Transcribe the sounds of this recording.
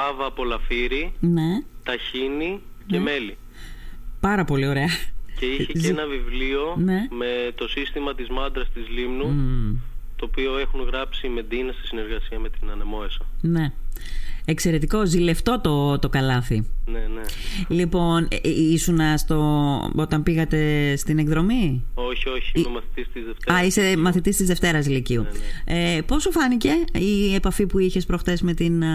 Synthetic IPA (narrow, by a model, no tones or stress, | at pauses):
ɐvɐpo̞lɐfiɾine̞t̪ɐçini | nceme̞li | pɐɾɐpo̞lio̞ɾe̞ɐceiçezenɐvivlio̞ne̞me̞t̪o̞sist̪imɐt̪izmɐnd̪ɾɐst̪izlimnu | t̪oːpio̞e̞xunɣɾɐpsime̞d̪inɐst̪isine̞ɾɣɐsiɐme̞t̪inɐnemo̞esɐne̞ | ekse̞ɾe̞t̪iko̞zile̞ft̪o̞t̪o̞t̪o̞kɐlɐθinenelipo̞nisunɐst̪o̞o̞t̪ɐmpiɣɐt̪e̞st̪ine̞kðɾo̞mioçio̞çiomɐθit̪ist̪izðeft̪ɐisemɐθit̪ist̪izðe̞ft̪e̞ɾɐsiliciuepo̞sufɐnice̞iepɐfipuiçe̞spɾo̞xt̪e̞sme̞t̪in